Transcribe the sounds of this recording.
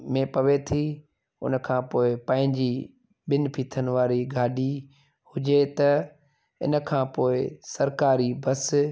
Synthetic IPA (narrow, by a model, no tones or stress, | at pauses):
mẽpɐʋet̪ʰi | ʊ̰nkʰãːpoːɪpɐ̃ɦɪ̃ɲd͡ʑi | ɓɪnpʰiːt̪ʰənɪ̆ʋaːɾiɡʱaːɖʱi | hʊd͡ʑet̪ɐ | ɪ̰nə̆kʰãːpoːɪsɐɾkaːɾibɐs